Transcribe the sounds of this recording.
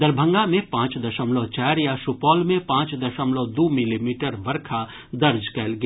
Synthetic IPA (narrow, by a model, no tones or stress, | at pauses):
d̪ɐɾbʱə̃ŋɡamẽpãːt͡ʃd̪ɐʃəmlot͡ʃɛːɾjasʊpɔːlmẽpãːt͡ʃd̪ɐʃəmlod̪uːmɪlimiːʈəɾʋɐɾkʰa | d̪ɐɾd͡ʒkɛːlɡɐ